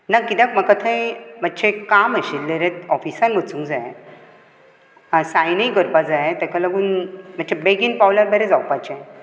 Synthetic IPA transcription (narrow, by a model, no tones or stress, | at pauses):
nakːit̪ãkməkət̪ʰə̃jmətːt͡ɕʰekaməɕilːeɾet̪̚ɔfisanbət͡sũŋɡd͡zaɦe | sajnəikəɾpad͡zaɦet̪ɛkalaɡuːnm̤ət͡ɕʰebeɡinpawlaɾbeɾed͡zawpat͡ɕae